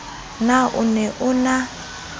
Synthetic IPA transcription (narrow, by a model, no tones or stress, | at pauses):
naʔʊ̰nɛʔʊna